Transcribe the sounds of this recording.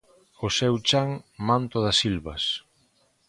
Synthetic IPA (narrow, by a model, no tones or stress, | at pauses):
ʊsɛwt͡ʃaŋmãnt̪ʊðɐsilβɐs